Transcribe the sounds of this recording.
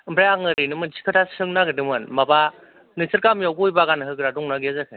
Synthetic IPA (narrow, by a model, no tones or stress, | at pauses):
mbɾajaŋɯɾinɯmɯnsʰi̥kʰɯtʰasɯŋnaɡɯdɯmɯnmaba | nɯsʰɯɾkamijawɡujbaɡanɦɯɡɾadɔŋnaɡizakʰɯ